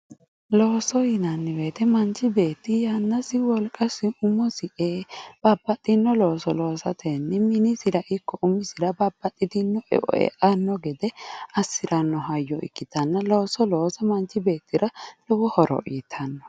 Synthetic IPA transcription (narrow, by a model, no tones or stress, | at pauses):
loːsɔjɪnɐnːɪweːt̪ɛmɐnt͡ʃːɪbeːt̪ːɪjanːɐsɪwɔlkʼɐsɪʊmːɔsɪʔeːb̥ɐbːɐt̪ʼːɪnːɔlo̞ːsɔlo̞ːsɐt̪ʰenːɪmɪnɪsɪdɐʔɪkːɔʔʊmɪsɪɾɐbɐbːɐt̪ʼːɪd̪ɪnːɔʔɛ̰ʔɔ̰ɛ̰ʔɐnːɔɡɛd̪ɛɐsːɪɾɐnːɔɦɐjːɔʔɪ̰kːɪt̪ɐnːɐlo̞ːsɔlo̞ːsɐmɐnt͡ʃːɪbe̞ːt̪ːɪɾɐlɔwɔhɔɾɔ̰ʔiːt̪ʰːɐnːɔ